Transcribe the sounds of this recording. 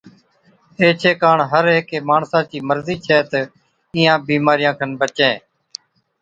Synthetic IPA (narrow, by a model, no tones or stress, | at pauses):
eːt͡ʃʰeːkaːɳɦəɾɦekeːmaːɳsãːt͡ʃiːməɾziːt͡ʃʰɛːt̪ə | ɪːãːbiːmaːɾɪjãːkʰənbət͡ʃẽː